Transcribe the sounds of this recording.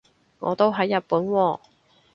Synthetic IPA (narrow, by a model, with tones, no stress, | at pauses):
ŋɔ̰ː˨˧t̪o˥wɦɐ˨˥jːɐ˨t̚puː˨˥nwɔː˧